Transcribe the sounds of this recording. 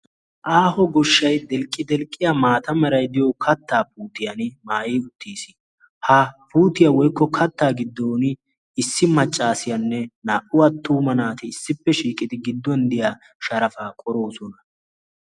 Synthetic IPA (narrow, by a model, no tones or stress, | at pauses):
ʔaːhɔɡɔʃːɐjd̪ɛlkʼːɪd̪ɛlkʼːɪjamaːt̪ɐmɛɾɐjd̪ɪjɔkʰɐt̪ːaːpuːt̪ɪjɐnmaːjiːʊt̪ːiːsɪ | hɐpuːt̪ɪjawɔjkːɔkʰɐt̪ːaːɡɪd̪ːoːnɪ | ɪsːɪmɐt͡ʃʼːaːsɪjɐnːɛnaːʔʊwat̪ːuːmɐnaːt̪ɪːsːɪpːɛʃiːkʼɪd̪ɪɡɪd̪ːɔnd̪ɪjaː | ʃɐɾɐfaːkʼɔɾo̞ːsɔnɐ